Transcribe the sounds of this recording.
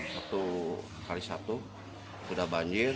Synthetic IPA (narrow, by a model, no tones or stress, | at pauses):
sat̪u | kaɾisat̪u | sudahbaɲd͡ʒɪr